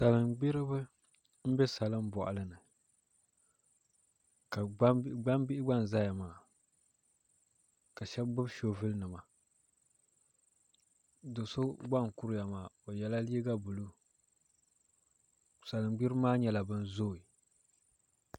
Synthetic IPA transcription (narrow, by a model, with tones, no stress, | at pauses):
sa˨lɨ˨mɡ͡bi˦ɾɨ˦bɨ˦ | m̩˦bɛ˦sa˨lɨ˦m˦bɔ̰˨ʔa̰˨lɨ˦nɨ˨ | ka˨˦ɡ͡ba˦mbi˦ʔɪ˦ɡ͡ba˦˨n˨za˦ja˨maː˨ | ka˨ʃɛ˦bbʊ˦bʃo˦vɨ˦lnɨ˨ma˨ | do˨so˦ɡ͡ba˦˨ŋ˨kʊ˦ɾja˨maː˨o˨jɛ˨la˦li˦i˦ɡa˦bu˨lu˦ | sa˨lɨ˨ŋɡ͡bi˦ɾmaː˦ɲɛ˦la˨bɨ˦n˦zoː˦˨i˨